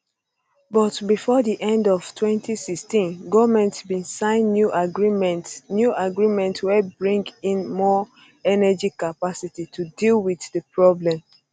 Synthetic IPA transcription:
bɔtbifɔdiʔɛ̃ndɔv̥tʰwɛ̃ntisikstĩnɡɔvmɛ̃ntbĩnsãɪ̃nːjuʔaɡɹimɛ̃ntnjuʔaɡɹimɛ̃ntwɛbɹĩŋɡĩnmɔ | ɛnɛd͡ʒikapasititʰudilˠwiðdəpʰɹɔblɛ̃m

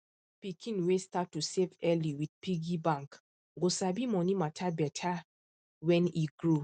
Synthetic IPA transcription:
pikʰĩnwestatːusevɛliwid̚piɡibãŋk | ɡosabimɔnimatʰabɛtʰa | wɛ̃niɡɹo

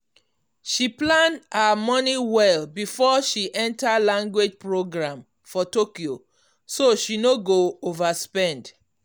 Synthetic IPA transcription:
ʃiplãndhamɔniwɛlbifɔʃiʔɛ̃ntalãŋɡwed͡ʒpɹoɡɹãm | fɔtokio | soʃinoɡoovaspɛ̃nd

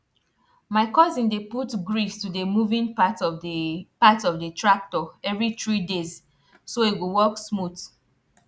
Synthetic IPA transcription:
maɪkɔzĩndeputɡɹistudəmuvĩnpatɔvpatɔvdətʰɹak̚tɔɛvɹiθɹidez | soeɡuwɔksmut

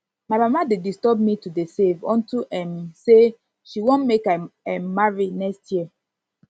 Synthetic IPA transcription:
maɪmamadedistɔb̚mitudesevɔ̃ntuʔɛ̃mse | ʃiwõnmekaɛ̃mːaɹinɛkstʰjiə

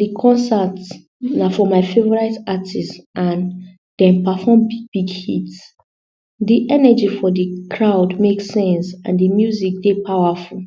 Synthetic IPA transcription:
dikʰɔ̃nsat | nafɔmaɪfevɔɹaɪtatʰisʔãn | d̥ɛ̃mpafɔmb̥iɡhḭt | diʔɛnəd͡ʒifɔdikʰɹaʊdmeksɛ̃nsã̰ndimjuzik̚depʰawafulˠ

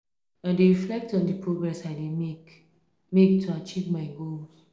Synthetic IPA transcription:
ãndeɹiflɛk̚tɔ̃ndəpʰɹoɡɹɛsaɪdemek | mek̚tʰuat͡ʃivmaɪɡol

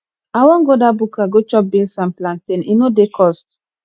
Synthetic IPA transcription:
awɔ̃ŋɡodabukʰaɡot͡ʃɔp̚bĩnsanplãntĩninodekʰɔst

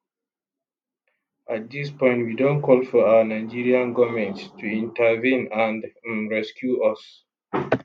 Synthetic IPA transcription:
at̚d̪ispɔ̃ɪ̃ntwidõnkʰɔlfɔawənaɪd͡ʒiɹiãnɡɔmɛ̃ntstʰuĩntəvĩnãndɹɛskʰjuʔʌs

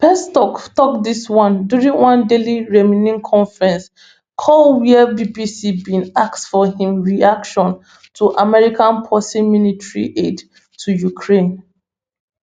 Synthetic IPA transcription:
pɛstɔktɔkdiswãndjuɹĩŋwãndeliɹɛminĩŋkʰɔ̃ɱfɹɛ̃ns | kʰɔlwiɛbibisibĩnaktsfɔhĩmɹiakʃɔ̃n | tʰuʔamɛɹikãnpʰɔsĩmilitɹḭʔed | tʰujukʰɹẽn

